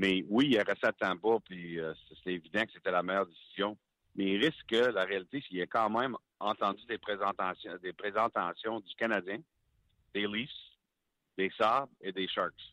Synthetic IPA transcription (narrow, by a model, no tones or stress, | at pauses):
mɛwiaʁɛsɛt̪ãpɔpiøsset̪ɛevid̪ɑ̃kə̥set̪ɛlamɛjœːʁd̪esiz̥jɔ̃ | mɛiʁɪskəlaʁealit̪esɛkɑ̃ːmɛ̃ɪ̃m | ɑ̃t̪ɑ̃dd͡z̪yd̪epʁezɑ̃t̪asjd̪epʁezɑ̃t̪ãsjɔ̃d̪ykanadd͡zjɛ̃ | d̪elis | d̪̥esabed̪eʃɑɹks